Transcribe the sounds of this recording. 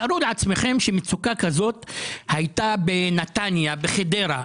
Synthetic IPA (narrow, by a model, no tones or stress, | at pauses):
aɾuleʕat͡sme̞χe̞mʃemet͡sukakazo̞t̪hajt̪abenat̪anjabeχede̞ɾa